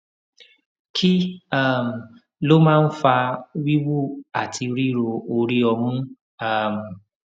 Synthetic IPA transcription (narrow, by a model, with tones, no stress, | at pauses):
kʰi˦a˦˨m̩˨ | lo˦mã˦n̩˦fa˧wi˦wu˦a˨tʰi˧ɾi˦ɾo˧o˧ɾi˦ɔ˧mʊ̃˦ | a˦˨m̩˨